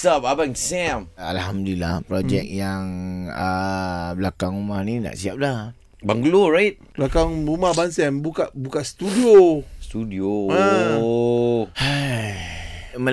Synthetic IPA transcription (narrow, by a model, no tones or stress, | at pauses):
sapabaŋsɛmalhamdlila̰hpɾod͡ʒɛk̚jaŋəblakaŋumahnina̰ʔsiap̚lah | baŋɡuloɹait̪̚blakaŋumahbansɛmbukaʔbukaʔst̪udiost̪udioa | ha | mə